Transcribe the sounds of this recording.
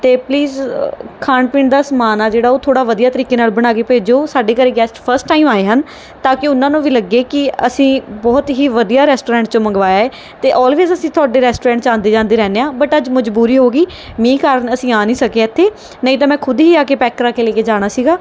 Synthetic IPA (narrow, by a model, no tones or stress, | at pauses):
t̪eːpliːzkʰaːɳpɪːɳd̪aːsəmaːnaːd͡ʒeːɽaːoːt̪ʰoːɽaːʋəd̪ijaːt̪əɾiːkeːnaːlbəɽ̃aːkeːpeːd͡ʒoːsaːɖeːkəɾeːɡɛːsʈpʰəɾsʈːaːimaːeːɦən | t̪aːkɪʊnãːnũːʋiːləɡːeːkɪəsĩːbɔːt̪ɦiːʋəd̪ijaːɾɛːsʈoːɾɛ̃ːɳʈ̚t͡ʃõːməŋɡʋaːjaːɛː | t̪eːʔɔːlʋeːzəsĩːt̪ʰʊaːɖeːɾɛːsʈoːɾɛ̃ːɳʈt͡ʃãːnd̪eːd͡ʒãːnd̪eːɾɛːneːãːbəʈəd͡ʒməd͡ʒbuːɾiːɦoːɡiː | mĩːkaːɾəɳəsĩːaːnĩːsəkeːɛːt̪ʰːeː | nəĩt̪ãːmɛ̃ːkʰʊd̪ɦiːaːkeːpɛːkːəɾaːkeːleːkeːd͡ʒaːɽ̃aːsiːɡaː